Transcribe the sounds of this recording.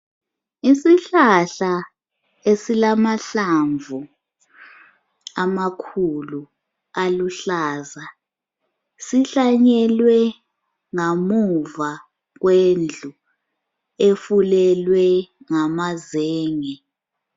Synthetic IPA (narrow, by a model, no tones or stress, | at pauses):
isiɬaɬa | esilamaɬaɱvʱu | amakʰulu | aluɬaːza | siɬaɲɛlwɛ | ŋamuva | k̬wend͡ɮʱu | efulɛlwɛ | ŋamazɛːŋɛ